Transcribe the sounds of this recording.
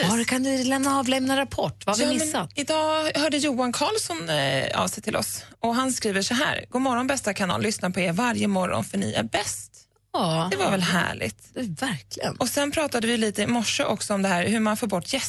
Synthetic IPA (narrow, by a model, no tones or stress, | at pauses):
aɾkʰand̪ɪlɛmnaɑːvlɛmnaɾapʰɔʈːvahavɑːɪmɛsːat̪ɪd̪ɑːhœːɖəjuːankʰɑːlsɔnɑ̰ːvsɛjt̪ʰɪlʔɔ̰sɔɦanskɾiːvəʂɔɦæ̰ːɾɡuːmɔɾɔnbɛst̪akʰanɑ̰ːlːʏsnapʰɔeːɾvaɾjəmɔɾɔ̰nfœɳɪ̰æ̰ɾbɛst̪ː | d̥̪ɛvaɾvɛlɦæ̰ːɭɪ̰t̪væɾklɪɡə̰nɔsɛnpʰɾɑːt̪ad̪əvɪliːt̪əɪmɔʂːəʔɔksɔɔmd̪ɛhæːɾhɵɾmanfoːbɔʈːjɛs